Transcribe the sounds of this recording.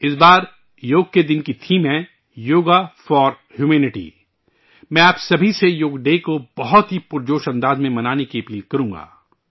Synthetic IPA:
ɪsbaːɾ | joːɡ̚ked̪ɪnkit̪ʰimɛ̃ː | joːɡafɔːɾ | hjuːmɛːnɪʈḭː | mɛ̃aːpsɐbʱisejoːɡɖeːkobɐɦɔt̪ɦipʊɾd͡ʒoːʃɐ̃nd̪aːzmẽmɐnaːnekiɐpɾiːlkɐɾũːŋɡa̰ː

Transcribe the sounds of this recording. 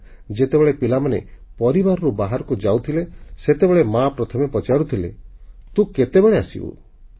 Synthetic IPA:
d͡ʒet̪ebeɭepilamanḛpɔɾibaɾɔɾubaɦaɾɔkud͡ʒawt̪ʰileset̪ebeɭemapɾɔt̪ʰɔmepɔt͡ʃaɾut̪ʰilḛt̪ũket̪ebeɭeasḭbṵ

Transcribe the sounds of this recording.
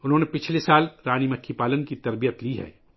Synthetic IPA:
ʊnɦõːnepɪt͡ʃʰlesaːlɾaːñimɐkʰːipaːlənkit̪ɐɾbijət̪liɦɛ̰ː

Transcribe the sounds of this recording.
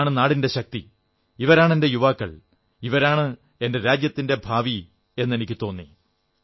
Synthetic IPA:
ɳɨnaːɽinde̞ɕɐk̚t̪ḭ | iʋɐɾaːɳende̞juʋaːkːɐ̰ɭ | iʋɐɾaːɳɨ | e̞nde̞ɾaːd͡ʑjɐt̪ːinde̞bʱaːʋi | e̞nːe̞nikʲːɨt̪o̞ːnːḭ

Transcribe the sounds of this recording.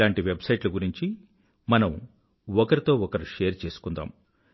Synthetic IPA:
aːɳʈiʋe̞bsɐjʈluɡuɾiɲt͡ʃi | mɐnɐm | ɔkɐɾit̪o̞ːɔkɐɾuʃeːɐɾt͡ʃe̞ːsu̥kund̪a̰ːm

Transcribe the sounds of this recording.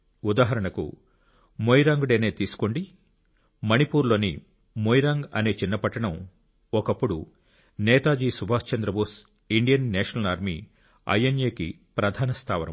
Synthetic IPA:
ud̪aːɦɐɾɐɳɐkṵ | moːjɾaːŋɡuɽeːneːt̪iːsu̥ko̞ɳɖi | mɐnipuːɾlo̞ːni | moːjɾaːŋɡɐ̰ne̞ːt͡ʃinːɐpɐʈːɐɳɐm | ɔkɐpːuɽu | nɛːt̪aːd͡ʒiːsubaːst͡ʃɐnd̪ɾɐboːs | iɳɖijɐnːɛːʂɐnɐlaːɾmḭː | ɐ̰jenjeːkḭ | pɾɐd̪ʱaːnɐst̪ʰaːʋɐnɐ̰m

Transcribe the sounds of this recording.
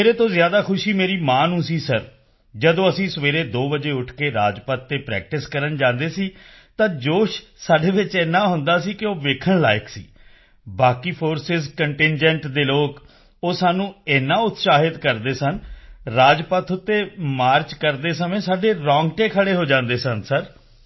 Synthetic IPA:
meːɾeːt̪õːzjaːd̪aːkʰʊʃiːmeːɾiːmãːnũːsiːsəɾ | d͡ʒəd̪õːəsĩːsəʋeːɾeːd̪oːbəd͡ʒeːʊʈʰkeːɾa̰ːd͡ʒpət̪ːeːpɾɛ̰ːk̚ʈɪskəɾənd͡ʒãːnd̪eːsiː | t̪ãːd͡ʒoːʃsaːɖeːʋɪt͡ʃɛːnːãːɦʊnd̪aːsiːkɪoːʋeːkʰəɳla̰ːɪksḭː | baːkiːpʰoːɾsɪzkəɳʈɪnd͡ʒəɳʈd̪eːloːk | oːsaːnũːɛːnːãːʊt̪saːɦɪt̪kəɾd̪eːsənɾaːd͡ʒpət̪ʰʊt̪ːeːmaːɾt͡ʃkəɾd̪eːsəmẽːsaːɖeːɾɔ̃ːŋɡʈeːkʰəɽeːɦoːd͡ʒãːnd̪eːsənsəɾ

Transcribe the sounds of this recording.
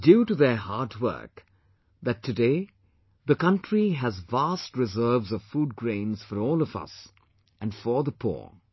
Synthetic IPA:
djuʈuðə˞hɑɹdwɜ̰˞k | ðætʰːɨde | ðəkʌ̃ntɹiɦæzvastɹɪzɜ˞vzʌv̥fuːd̚ɡɹẽɪ̃nz̥fəɾɔːlɔvʌ̰s | æ̃nfə˞ðəpʰṵɹ

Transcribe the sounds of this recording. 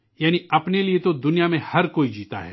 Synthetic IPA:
jaːniɐpneliet̪od̪ʊnijamẽhɐɾkoːid͡ʒiːt̪a̰ɦɛ̰ː

